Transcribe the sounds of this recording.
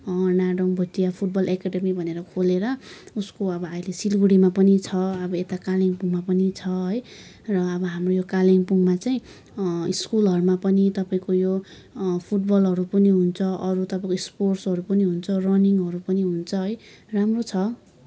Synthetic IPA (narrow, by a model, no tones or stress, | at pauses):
naɖʌŋbʱut̪iapʰuʈ̚bʌlʔekaɖemibʱʌneɾʌkʰoleɾʌuskoʌbʌailesilɡuɽimapʌnit͡sʰʌʌbʌet̪akaleŋpuŋmapʌnit͡sʰʌɦʌj | rʌːbʌɦamrojokaleŋpuŋmat͡saĩ | iskulɦʌɾumapʌnit̪ʌpaĩkojo | pʰuʈbʌlɦʌɾupʌniɦunt͡sʰʌʔʌɾut̪ʌpaĩkoisporsʌɾupʌniɦunt͡sʰʌrʌniŋʌɾupʌniɦunt͡sʰʌɦʌj | ramrot͡sʰʌ